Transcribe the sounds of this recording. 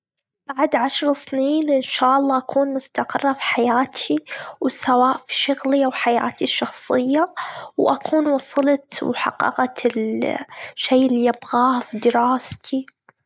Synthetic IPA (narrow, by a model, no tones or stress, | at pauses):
b̥aʕd̪ʕaʃɾˤsniːnʔɪnʃaːʔɑlˤːɑːʔakʰuːnmʊst̪aqɪrˤːɑfi̥ħajaːt̪ʰiwsawaːʔfi̥ʃʊɣliʔawħaja̰ːt̪ʰiʃːɑxsˤɨjːawʔakʰuːnwɑsˤɨlɑt̪wħa̰qːɑ̰ɣɑt̪ɪl | ʃːejʔɪlːiʔabɣaːfid̪ɪɾaːst̪ʰi